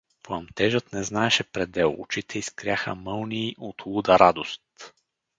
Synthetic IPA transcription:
plˠɐmt̪ɛʒət̪nɛznaɛʃɛpɾɛd̪ɛlˠo̰t͡ʃit̪ʰɛiskɾʲjaxə̰mɤlˠniːʔot̪lˠud̪əɾad̪ost̪

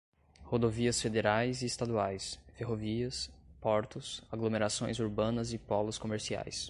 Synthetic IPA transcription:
hod̪oviɐsfed̪eɾajzɪːst̪ad̪uajsfeɦoviɐspɔɾt̪ʊsaɡlomeɾasõj̃zuɾbɐ̃nɐzɪpɔlʊskomeɾsia̰js

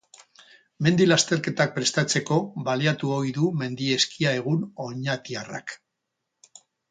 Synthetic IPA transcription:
me̞nd̪ilast̪e̞ɾke̞t̪ak̚pɾe̞st̪at͡se̞ko̞βbaliat̪uo̞jðume̞nd̪ie̞skiae̞ɣ̞uno̞ɲat̪iara̰k

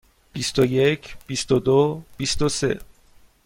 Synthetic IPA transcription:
b̥ist̪ojecʰb̥ist̪od̪ob̥ist̪ose̞̰

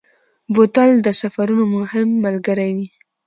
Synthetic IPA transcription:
bot̪ald̪əsafaɾunomʊhɪmːalɡəɾajwi

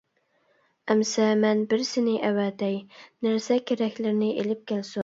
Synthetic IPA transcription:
æmsæmɛnbɪɾsɪnɪʔæwæd̪ɛjnɪɾsɛkʲʰeɾækʲlɪɾɪnɪʔelɪp̚kʲelsʊ

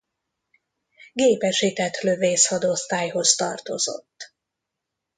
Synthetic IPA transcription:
ɡeːpɛʃit̪ɛt̪løveːshɒd̪o̞st̪aːjho̞st̪ɒ̰rt̪o̰zo̞̰t̪ː

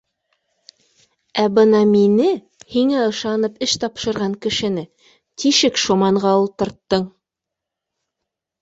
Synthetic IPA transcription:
æbɤnɑminɘ | hiŋæɤ̆ʃɑnɤpɘʃt̪ɑpʃɤ̆ɾʁɑŋkɘ̆ʃɘ̆nɘ | t̪ʰiʃɘkʃomɑɴɢɑulˠt̪ɤ̆ɾt̪ːɤɴ

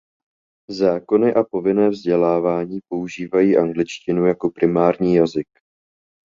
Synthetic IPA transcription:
zaːko̞nɪʔapo̞vɪnɛːvzɟɛlaːvaːɲiːpo̞uʒiːvajiːʔaŋɡlɪt͡ʃcɪnujako̞pɾɪmaːɾɲiːjazɪk

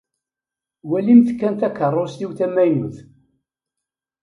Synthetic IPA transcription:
wælimθkːænt̪ækːərˤːost̪iwθæmæjnuθ

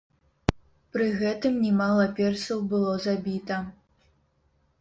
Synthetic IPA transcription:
pɾɨɣɛt̪ɨmnʲɛmalˠɐpʲɛrsɐwbɨlˠɔzabʲit̪ɐ

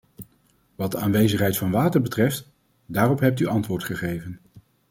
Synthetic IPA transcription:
ʋɑd̚dəaːnʋejzəχɦɛjtfɑnʋaːtəɹbətrɛft | daːrɔpɦɛp̚tyʔɑntʋʊːɹtχəχejvən

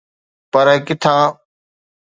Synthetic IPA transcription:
pəɾɛkɪt̪ʰãː

